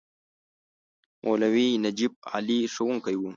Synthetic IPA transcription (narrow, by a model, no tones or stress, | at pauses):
mʔoːlawinɐd͡ʒib̚a̰ːliʂawuŋkajwu